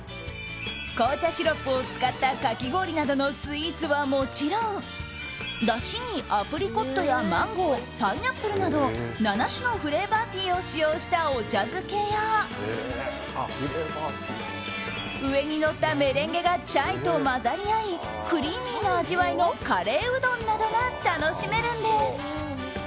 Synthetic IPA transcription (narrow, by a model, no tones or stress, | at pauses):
koːt͡ɕaɕiɾo̞kɯ̟o̞t͡sɨ̥kat̪ːakakʲiɡo̞ːɾʲinad̪o̞no̞sɨiːt͡sɨβamo̞t͡ɕiɾõ̞ŋ | d̪aɕiɲ̟iʔapɯ̟ɾʲiko̞t̪ːo̞jamãŋɡo̞ːtainapːɯ̟ɾɯ̟nad̪o̞nanaɕino̞ɸɯ̟ɾe̞bat̪ʲiːo̞ɕijo̞ːɕi̥t̪ao̞t͡ɕazɨke̞ja | ɾebat̪ | ɯ̟e̞ɲ̟ino̞t̪ːame̞ɾẽ̞ŋɡe̞ɡat͡ɕait̪o̞mazaɾʲiai | kɯ̟ɾʲiːmʲiːno̞aʑiβaino̞kaɾe̞ːɯ̟d̪õ̞nːad̪o̞nat̪ano̞ɕime̞ɾɯ̟̃nd̪e̞sɨ̥